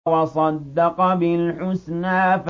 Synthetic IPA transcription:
wɑsˤɑd̪ːɑqbɪlħʊsnaːf

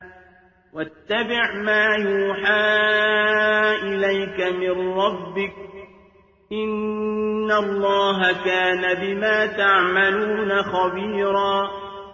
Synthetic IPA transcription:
wat̪ːabɪʕmaːjuːħaː | ʔɪlajkamɪnɾˤɑbːɪk̚ | ʔɪnː | alˤːɑːɦakaːnabɪmaːt̪aʕmaluːnaxɑbiːɾˤɑː

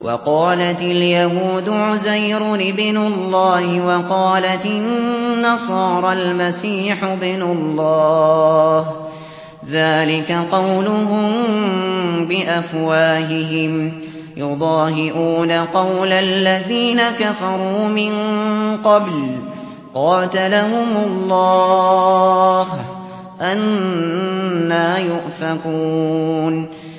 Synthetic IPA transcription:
wʔɑ̰qɑːlat̪ɪljahuːd̪ʊʕʊzajɾʊɪbnʊlˤːɑːhɪwɑqɑːlat̪ɪnːɑsˤɑːɾˤɑlmasiːħʊbɪnʊlˤːɑː | h | ðaːlɪkaqɑwlʊɦʊm | bɪʔafwaːɦɪɦɪm | jʊd̪ˤɑːɦɪʔuːnaqɑwlalːaðiːnakafɑɾˤuːmɪnqɑbl | qɑːt̪alaɦʊmʊlˤːɑː | ɦ | ʔan | aːjʊʔfaquːn

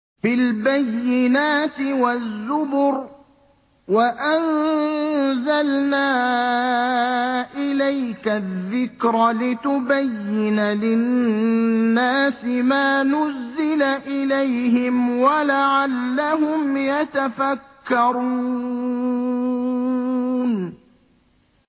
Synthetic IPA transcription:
bɪlbajːɪnaːt̪ɪwazːʊbʊɾ | waʔan | zalnaː | ʔɪlajkaðːɪkɾˤlɪt̪ʊbajːɪnalɪnː | aːsɪmaːnʊzːɪlaʔɪlajhɪmwalaʕalːaɦʊmjat̪afakːɑɾuː | n

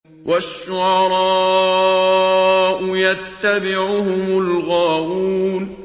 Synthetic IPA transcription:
wʔaʃːʊʕɑɾˤɑː | ʔʊjat̪ːabɪʕʊhʊmʊlɣaːʔuːn

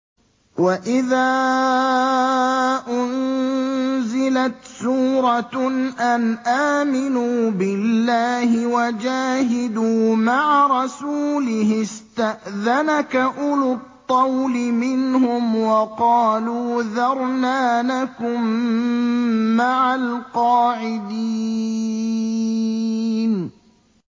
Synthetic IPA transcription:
waʔɪðaː | ʔʊn | zɪlat̪suːɾˤɑʔanʔaːmɪnuːbɪlːaːɦɪwad͡ʒaːɦɪd̪uːmaʕaɾˤɑsuːlɪhɪst̪aʔðanakaʔʊlʊt̪ˤːɑwlɪmɪnhʊmwɑqɑːluːðɑɾˤnaːlakʊm | aʕalqɑːʕɪd̪iː | n

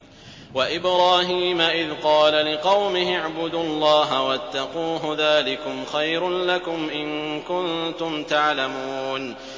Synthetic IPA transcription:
waʔɪbɾaːɦiːmaʔɪðqɑːlalɪqɑwmɪɦɪʕbʊd̪uːɑlˤːɑːɦawat̪ːɑquːɦʊðaːlɪkʊmxajɾʊnlakʊmʔɪnkʊnt̪ʊmt̪aʕlamuːn

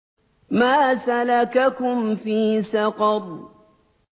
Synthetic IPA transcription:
maːsalakakʊmfiːsɑqɑd̪̚ˤ

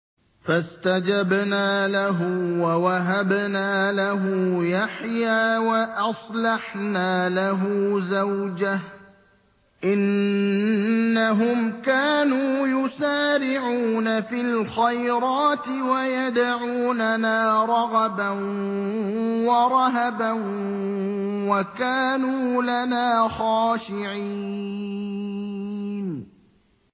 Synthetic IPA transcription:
fast̪ad͡ʒabnaːlaɦʊwawaɦabnaːlaɦʊjaħjaːwaʔɑsˤlɑħnaːlaɦʊːzawd͡ʒah | ʔɪn | aɦʊmkaːnuːjʊsaːɾɪʕuːnafilxajɾɑːt̪ɪwajad̪aʕuːnanaːɾˤɑɣɑban | wɑɾˤɑɦaban | wakaːnuːlanaːxaːʃɪʕi | n

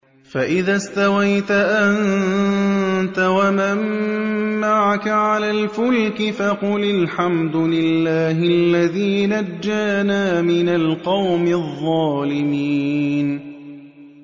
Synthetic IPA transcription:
faʔɪðaːst̪awajt̪aʔan | t̪awamamː | aʕakaʕalaːlfʊlkɪfaqʊlalħamd̪ʊlɪlːaːɦɪlːaðiːnad͡ʒːaːnaːmɪnalqɑwmɪðˤːɑːlɪmiːn

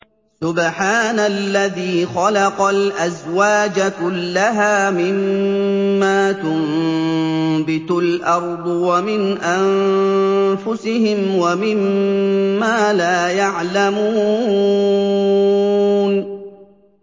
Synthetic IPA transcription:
sʊbħaːnalːaðiːxɑlɑqɑlʔazwaːd͡ʒakʊlːaɦaːmɪmː | aːt̪ʊm | bɪt̪ʊlʔɑɾˤd̪ˤwamɪnʔan | fʊsɪhɪmwamɪmː | aːlaːjaʕlamuːuː | n

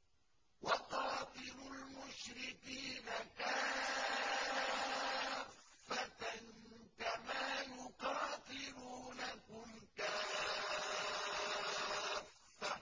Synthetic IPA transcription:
wɑqɑːt̪ˤɨɾʊlmʊʃɾɪkiːnakaː | fːat̪n | kamaːjʊqɑːt̪ˤɨɾuːnakʊmka | fːa

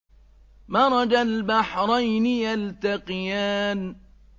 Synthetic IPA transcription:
mɑːɾˤɑd͡ʒalbaħɾˤɑjnɪjalt̪aqɨjaːn

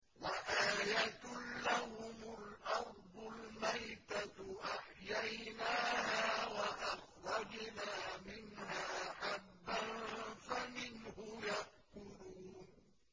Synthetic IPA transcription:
waʔaːjat̪ʊlːahʊmʊlʔɑɾˤd̪ˤʊlmajt̪aʔaħjajnaːhaːwaʔɑxɾˤɑd͡ʒnaːmɪnɦaːħabːanfamɪnhʊjaʔkʊɾuːn

